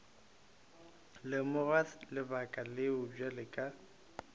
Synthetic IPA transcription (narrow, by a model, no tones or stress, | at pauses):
lɪmʊralɪbakʼalɪʊbalɪkʼa